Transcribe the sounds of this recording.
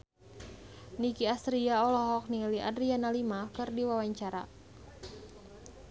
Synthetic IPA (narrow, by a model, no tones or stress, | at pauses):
nikiast̪ɾiaɔlɔɦɔk̚niŋliʔadɾianalimakɨrdiwawaɲt͡ʃaɾa̰